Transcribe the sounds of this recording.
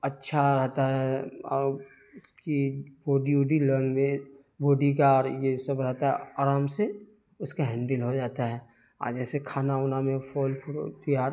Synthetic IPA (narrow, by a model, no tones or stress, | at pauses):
ɐtːʃʰaɾɛɦt̪aɦɛ | ʊskiboːɖiuɖiləɾnmẽ | boːɖikaɾjesɐbɾɛɦt̪aɦɛaːɾaːmse | ʊskaɦɛ̃ːɳɖɪlɦod͡ʒaːt̪aɦɛː | a̰ːd͡ʒɛːsekʰaːnaʊnamẽfʰɔːlpʰʊɾ̰p̪ijaːɾ